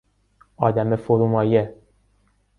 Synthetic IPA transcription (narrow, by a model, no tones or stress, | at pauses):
ɒːd̪æmefoɾumɒːje